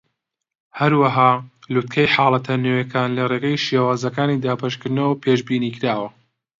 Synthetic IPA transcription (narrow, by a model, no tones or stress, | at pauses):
hɐɾwɐɦaːlut̪̚kʰɐjħaːlˠɐt̪ʰɐnoːjɐkaːnlɐreɡɐjʃjawaːzɐkaːnid̪aːbɐʃkɨɾd̪nɐwɐpʰeːʒbiːniːkɪɾaːwɐ